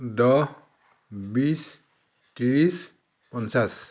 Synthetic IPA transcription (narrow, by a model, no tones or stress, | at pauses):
dɔ | bis | tiɹis | pɔnsas